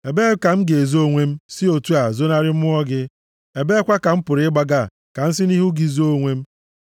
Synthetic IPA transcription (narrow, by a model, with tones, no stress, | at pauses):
e˨be˦ka˨m̩˦ɡe˨zo˦˨ŋʷe˦m̩˦sɪ˦o˨tu˦a˨zo˦na˦ɾɪ˦m̩˦ʊ˦ɔ˦ɡɪ˦ | e˨be˦kʷa˦ka˨m̩˦pʊ˨ɾɪ˨˦ɪ˦ɡ͡ba˦ɡa˦˨ | ka˨n̩˦s̬ɪ˦ni˦ɦu˦ɡi˦zo˦o˦ŋʷe˦m̩˦